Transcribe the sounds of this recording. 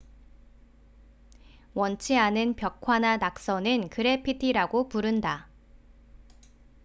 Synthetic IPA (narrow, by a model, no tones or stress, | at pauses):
wʌnt͡ɕʰianɯnpjʌkʰwananak̚s͈ʌnɯnkɯɾe̞pʰitʰiɾaɡopuɾɯnda